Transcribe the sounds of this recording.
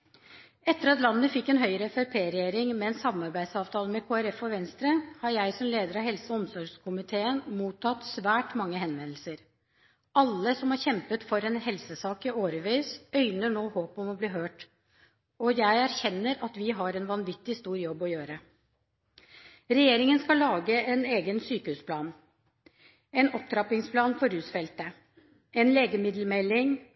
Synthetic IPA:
ɛt̪ːəɾɑt̪lɑnːəfɪkːɛnɦœʏɾɛfɛpʰeːɾɛjeːɾɪŋmɛnsɑmɑɾbæɪd̪sɑːʋt̪ʰɑːləmɛkʰoːæɾɛfɔʋɛnst̪ɾəhɑɾjæɪsɔmleːd̪əɾɑʋɦɛlsəɔmsɔɾɡʂkʰʊmɪt̪ʰeːənmuːt̪ʰɑt̪sʋæːʈmɑŋːəhɛnʋɛnl̩səɾ | ɑlːəsɔmhɑɾçɛmpət̪fɔɾɛnhɛlsəsɑːkəoːɾəʋiːsœʏnəɳoːhoːpɔmɔbliːɦøːʈ | ɔjæɪæɾçɛnːəɾɑt̪ʋɪɦɑɾɛnʋɑnʋɪt̪ːɪst̪uːɾjɔbːɔjøːɾə | ɾɛjeːɾɪŋənskɑlːɑːɡəɛneːɡənsyːkəhʉːspʰlɑːn | ɛnɔp̚t̪ʰɾɑpɪŋspʰlɑːnfɔɾʉːsfɛlt̪ə | ɛnleːɡəmɪd̪l̩mɛlːɪŋ

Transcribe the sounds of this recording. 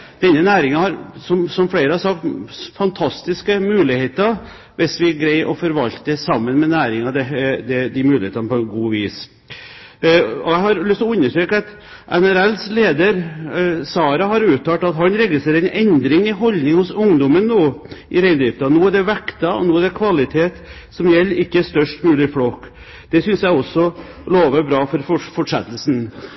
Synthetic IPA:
d̪̥ɛnːənæːɾɪŋɑhɑɾsɔmsɔmfleːɾəhɑɾsɑk̚t̪fɑnt̪ʰɑst̪ɪskəmʉːlɪheːt̪ɑ | ʋɪsʋɪɡɾæɪʔɔfɔɾʋɑlt̪d̪əsɑmːənmɛnæːɾɪŋɑd̪ɛd̪ɛd̪ɪmʉːlɪheːt̪ɑnəpʰɔɛnɡuːʋiːs | ɔæɪhɑɾlʏst̪ɔʉnːəʂøːkəɑt̪ | ʔɛnæɾɛlsleːd̪əɾsɑːɾɑɦɑɾʉːt̪ʰːɑːʈ̪ɑt̪ɦɑnɾɛɡɪst̪ɾeːɾɛɪnɛnd̪ɾɪŋɪɦɔlnɪŋhʊsʊŋd̪ɔmənːoːʔɪɾæɪd̪ɾɪft̪ɑnuːæɖɛʋɛkt̪ɑɔ̰nuːæɖ̪ɛkʰʋɑlɪt̪ʰeːt̪ | sɔmjɛlːɾɪkːəst̪œʂʈmʉːlɪflɔk | d̪̥ɛsʏnsjæɪɔsːɔ | loːʋəbɾɑːfɔɾfɔfɔʂɛ̰t̪ːlsn

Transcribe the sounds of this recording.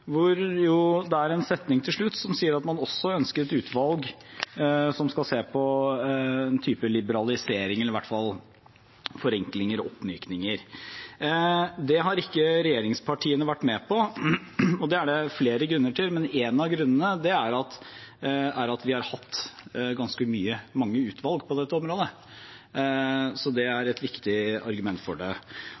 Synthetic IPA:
ʋʊɾjʊd̪ɛæɾɛnsɛt̪nɪŋt̪ʰɪlʂɭʉt̪ːsɔmsiːəɾɑt̪mɑnɔsːɔœnskəɾɛt̪ʉːt̪ʰʋɑlɡ | sɔmskɑlseːpʰɔ | ɛnt̪ʰyːpəlɪbəɾɑlɪseːɾɪŋəlːɾɪʋæʈːfɑl | fɔɾɛŋklɪŋəɾɔɔpːmyːknɪŋəɾ | d̪ɛɦɑɾɪkːəɾɛjeːɾɪŋspʰɑʈʰiːənəʋæʈːmɛpɔ | ɔd̪ɛæɖɛfleːɾəɡɾʉnːəʈʰɪlmɛneːnɑɡɾʉnːənəd̪ɛæɾɑt̪ | æɾɑt̪ʋɪhɑɾhɑt̪ːɡɑnskəmyːəmɑŋːəʉːt̪ʰʋɑlɡpʰɔd̪ɛt̪ːəɔmɾoːd̪ə | sɔd̪ɛæɾɛt̪ʋɪkt̪ɪɑ̰ɾɡʉmɛnt̪fɔɖɛ

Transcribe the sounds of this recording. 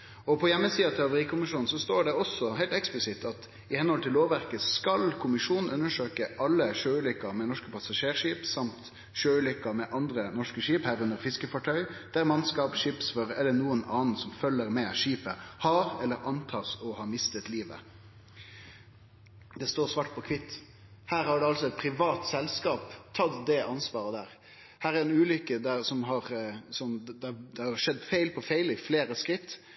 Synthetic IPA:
ɔpʰɔjɛmːəsiːɑt̪ʰɪɑʋəʁiːkʰʊmɪʂuːn̩sɔst̪oːɖɛɔsːɔɦæɪlt̪ɛksplɪsɪt̪ʰːɑt̪ | ɪhɛnəhɔlt̪ʰɪlːoːʋʋæʁkəskɑlkʰʊmɪʂuːnn̩ʉnːəʂøːkəʔɑlːəʃøːʉlʏkːɑɾmɛnɔʂkəpʰɑsɑʂeːʁʂiːpsɑmt̪ | ʃøːʉlʏkːɑmɛʔɑnd̪ɾənɔʂkəʂiːphæːɾʉnd̪əɾfɪskəfɑʈʰœʏd̪̥æɾmɑnskɑːpʂiːpsføɾɛlːənuːənɑːnn̩sɔmfœlːəʁmɛʂiːpəhɑːɾɛlːəɾɑnt̪ʰɑːsɔhɑːmɪst̪ət̪liːʋə̰ | d̪ɛst̪oːɾsʋɑʈ̚pʰɔkʰʋɪt̪ː | hæːɾhɑɖɛɑlsɔɛt̪̚pʰɾɪʋɑːt̪sɛlskɑːpt̪ʰɑt̪d̪ɛʔɑnsʋɑːɾəd̪æːʁ | hæːɾæɾɛnʉːlʏkːəd̪æsɔmɦɑɾsɔmd̪ɛd̪ɛhɑɑʂɛd̪ːfæɪlpʰɔfæɪlɪfleːɾəskɾɪt̪ː

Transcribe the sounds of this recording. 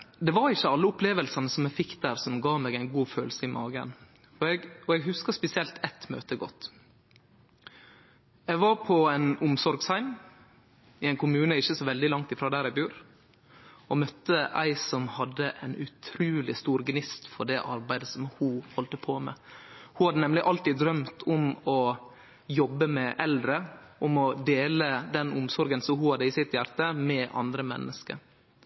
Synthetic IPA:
d̪ɛʋɑɾɪçəɑlːəʊpʰleːʋəlsɑnəsɔmæɪfɪkd̪̥æːɾsɔmɡɑːmeːɡæɪnɡuːføːlsəɪmɑːɡə̰n | ɔɛɔɛɡɦʉskəspɛsɪɛlt̪ʰɛt̪mø̰ːt̪əɡɔ̰t̪ː | ɛɡʋɑɾpʰɔæɪnʊmsɔɾɡsæɪn | ɪæɪnkʰʊmʉːnəɪçəsɔʋɛld̪ɪlɑŋt̪ɪfɾoːd̪æːɾæɪbʉːɾ | ɔmœt̪ːəʔæ̰ɪsɔmhɑd̪ːəʔæɪnʉt̪ʰɾʉːlɪst̪uːɾɡnɪst̪fɔɖɛʔɑ̰ɾbæɪd̪əsɔmhuːhɔlt̪əpʰoːmɛ̰huːhɑd̪ənɛmlɪʔɑlt̪iːd̪ɾœmt̪ʰʊmɔ | jɔbːəmɛʔɛld̪ɾəʔɔmɔd̪eːləd̪ɛnʊmsɔɾɡənsɔhuhɑd̪əiːsɪt̪jæɾt̪əmɛʔɑ̰nd̪ɾəmɛ̰nːʔəskə̰ɾ

